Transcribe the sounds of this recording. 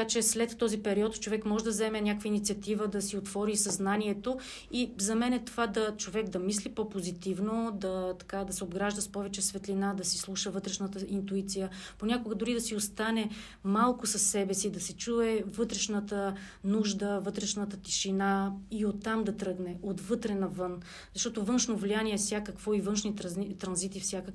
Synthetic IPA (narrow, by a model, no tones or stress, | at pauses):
kat͡ʃɛslɛt̪ːɔzipɛɾiɔt̪t͡ʃovɛkmɔʒɛd̪ɐzɛmɛnʲakvəinit̪siɐt̪ivəd̪ɐsiot̪vɔɾisɐznaniɛt̪o | izɐmɛnɛt̪ovad̪ɐt͡ʃovɛkd̪ɐmislipɔpozit̪ivnod̪ɐt̪ɐ̥kad̪ɐsɛobɡɾaʒd̪əspɔvɛt͡ʃɛsvɛt̪linad̪ɐsislˠuʃəvɤt̪ɾɛʃnət̪əint̪uit̪sijəponʲakoɡəd̪ʊɾid̪ɐsiost̪anɛ | malˠkʊsɐsːɛbɛsid̪ɐsɛt͡ʃuɛvɤt̪ɾɛʃnət̪ənuʒd̪əvɤt̪ɾɛʃnət̪ət̪i̥ʃinaiot̪ːamd̪ɐt̪ɾɤɡnɛot̪vɤt̪ɾɛnɐvɤn | zɐʃt̪ɔt̪ovɤnʃnovlianiɛfsʲjakəkvɔivɤnʃnit̪ɾɐnzit̪ifsʲjakə